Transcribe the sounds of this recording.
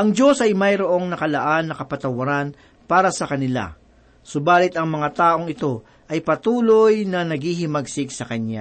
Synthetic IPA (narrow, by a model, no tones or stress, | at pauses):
ʔɐŋd͡ʒo̞sɐjmɐjɾoʔo̞ŋnɐkɐlɐʔanːɐkɐpɐt̪ɐwɐɾan | paːɾɐsɐkɐnɪla̰ | sʊbaːlɪt̪ʔɐŋmɐŋat̪aːʔo̞ŋɪt̪o̞ | ʔɐjpɐt̪uːlo̞jnɐnɐɡhiɦɪmɐɡsɪɡ̚sɐkɐna̰